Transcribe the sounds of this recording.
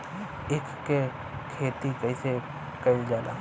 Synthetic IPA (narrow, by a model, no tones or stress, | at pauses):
ekkːe | kʰeːt̪ikəise | kɐid͡ʒaːla̰ː